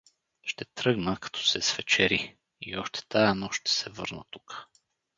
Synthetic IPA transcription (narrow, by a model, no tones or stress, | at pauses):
ʃt̪ɛt̪ɾɤɡnəkɐ̥t̪ʰɔ̥sɛsvɛt͡ʃɛɾi | ḭɔʃt̪ɛ̥t̪ajɛnɔʃt̪ɛ̥sɛvɤ̰ɾnə̰t̪uk